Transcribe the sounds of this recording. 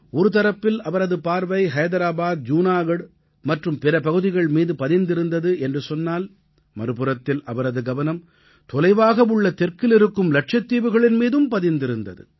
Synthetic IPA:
ɔɾɯt̪ɐɾɐpːɪlɐʋɐɾɐðɯpaːɾʋɐɪɦɐjðɐɾaːbaːd̪̚d͡ʒuːnaːɣɐɽ | mɐʈrɯmpɪɾɐpɐɣɯðɪɣɐɭmiːðɯpɐðɪnd̪ɪɾɯnd̪ɐðɯʔɛndrɯsɔnːaːl | mɐɾɯpɯɾɐt̪ːɪlʔɐʋɐɾɐðɯɡɐʋɐnɐm | t̪ɔlɐɪʋaːɣɐʋɯɭːɐt̪ɛrkɪlɪɾɯkːɯmlɐʈʂɐt̪ːiːʋɯɣɐɭɪnmiːðɯmpɐðɪnd̪ɪɾɯnd̪ɐ̰ðɯ̰

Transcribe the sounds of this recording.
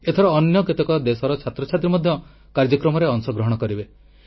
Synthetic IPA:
et̪ʰɔɾɔːnjɔket̪ekɔd̪esɔɾɔt͡ʃʰat̪ɾɔt͡ʃʰat̪ɾimɔd̪ʱjɔ | kaɾd͡ʒɔkɾɔmɔɾeɔŋsɔɡɾɔɦɔɽ̃ɔkɔɾibe

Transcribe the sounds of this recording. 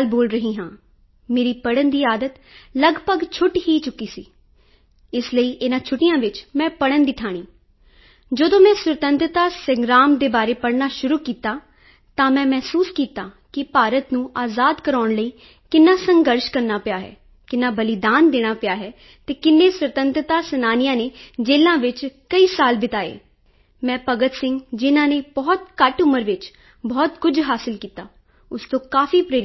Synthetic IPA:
lboːlɾəɦiːɦãː | meːɾiːpəɽənd̪iːaːd̪ət̪ | ləɡpəɡt͡ʃʰʊʈɦiːt͡ʃʊkːiːsiː | ɪsləiːʔɪnãːt͡ʃʰʊʈːɪjãːʋɪt͡ʃmɛ̃ːpəɽənd̪ɪt̪ʰaːɽ̃iː | d͡ʒəd̪õːmɛ̃ːsɾət̪ənt̪ɾət̪aːsəŋɡɾaːmd̪eːbaːɾeːpəɽnaːʃʊɾuːkiːt̪aː | t̪ãːmɛ̃ːmɛːsuːskiːt̪aː | kɪpaːɾət̪nũːʔaːzaːd̪kəɾaːɳləiː | kɪnːãːsəŋɡəɾʃkəɾnaːpɪjaːɦɛ̰ː | kɪnːaːbəlɪd̪aːnd̪eːɽ̃aːpɪjaːɦɛː | t̪eːkɪnːeːswət̪ənt̪ɾət̪aːsənaːnɪjãːneːd͡ʒeːlãːʋɪt͡ʃkəiːsaːlbɪt̪aːḛː | mɛ̃ːpəɡət̪sɪ̃ŋɡd͡ʒɪnãːneːbɔːt̪kəʈʊməɾʋɪt͡ʃ | bɔːt̪kʊd͡ʒɦaːsɪlkiːt̪aː | ʊst̪õːkaːfiːpɾeːɾ

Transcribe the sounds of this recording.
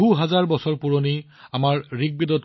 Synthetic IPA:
uɦazaɹbɔsɔɹpuɹoni | amaɹɹiɡ̚bidɔt̚

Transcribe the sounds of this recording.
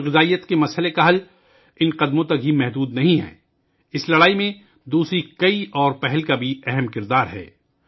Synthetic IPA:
ɣɪzaːijət̪kemɐshɦəlekaɦɐl | ɪnqɐd̪mõt̪ɐkɦimɛɦd̪uːd̪nɐɦĩɦɛ̰ː | ɪslɐɽaːimẽ | d̪uːsɾikɐiʔɔːɾpɛɦɛlkabʱiɛɦɛmkɪɾd̪aːɾɦɛ̰ː

